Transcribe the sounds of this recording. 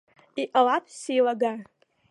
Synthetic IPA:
iʔalapʰsilaɡa

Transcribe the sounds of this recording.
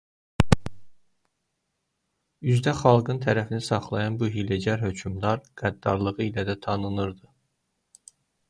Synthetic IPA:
yzd̪æχɑlˠɡɯnt̪ʰæɾæfinisɑχlˠɑjɑnbuɦiled͡ʒæɾɦøcʰymd̪ɑɾɡ̥æd̪ːɑɾlˠɯʁɯilæd̪æt̪ʰɑnɯnɯɾd̪ɯ

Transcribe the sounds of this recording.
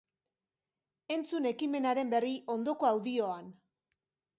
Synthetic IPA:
e̞nt͡sune̞kime̞naɾe̞mbe̞riʔo̞nd̪o̞ko̞awðio̞an

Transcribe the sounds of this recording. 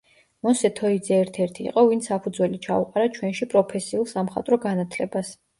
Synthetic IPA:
mɔsɛt̪ʰɔid̪zɛːɾt̪ʰɛɾt̪ʰḭːqʼɔvint̪sapʰud̪zwɛlit͡ʃʰauqʼaɾat͡ʃʰwɛnʃipʼɾɔpʰɛsiulˠsamχa̰t̪ʼɾɔɡanat̪ʰlɛbas

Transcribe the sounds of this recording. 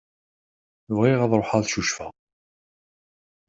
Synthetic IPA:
vʁiʁɑðˤɾˤoħɑðʃuʃfæ̰

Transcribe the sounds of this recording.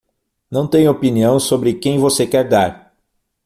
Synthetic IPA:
nɐ̃w̃t̪ẽj̃opiniɐ̃w̃sobɾɪkẽj̃vosekɛɾd̪aɾ

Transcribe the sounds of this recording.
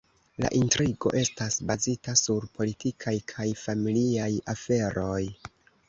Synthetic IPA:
la̰ʔintɾiɡo̞̰ʔe̞stasbazitasuɾpʰo̞litikʰajkʰajfamiliajafe̞ɾo̞j

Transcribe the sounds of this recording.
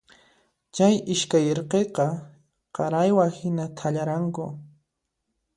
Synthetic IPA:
t͡ʃajɪʃkajɾqeqɑ | qɑɾajwahɪnat̪ʰaʎaɾaŋkʊ̰

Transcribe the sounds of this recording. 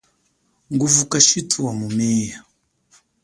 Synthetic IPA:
ŋɡuvukaʃitʰuwamumɛːja

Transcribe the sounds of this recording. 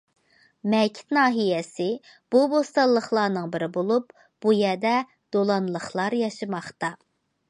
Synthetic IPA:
mɛkʲʰɪ̥t̪nɑːɦijɛsɪ | b̥ubost̪ɑlˠːəχlˠɑːnɨŋbɪɾɪbolˠup̚ | b̥ujɛd̪ɛ | d̪̥olˠɑnlˠəχlˠɑɾjɑʃɨmɑχt̪ɑ

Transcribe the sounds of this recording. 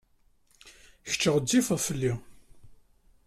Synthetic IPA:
çə̥t͡ʃːəʁəd͡zːifəʁfəlːi

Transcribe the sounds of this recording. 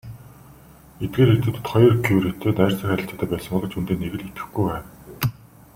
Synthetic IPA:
et̪̚ɡeːɾet̪ɘ̆t̪ɘ̆t̪χɔjɞ̆rkʰiuɾet̪ʰeːt̪æːrt͡sə̆xæɾʲɪ̆ɬt͡ɕaːt̪æːpæːsə̆ŋpɔɮə̆t͡ɕʰunt̪eːnːeɣɘ̆ɮit̪ɘ̥̆xɡujwæːn

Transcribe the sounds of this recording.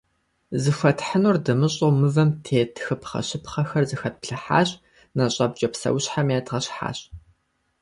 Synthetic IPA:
zɨxʷɐtħənuːrdɨmɨɕʼomɨvɐmtʰeːtʰxɨpχɐ̰ɕɪpχɐxɐrzɨxɐt̚pɬɨħa̰ːɕʼ | nɐɕʼɐb̚d͡ʒʼɐpsɐ̰wɕħamjaːtʁɐɕħa̰ːɕʼ

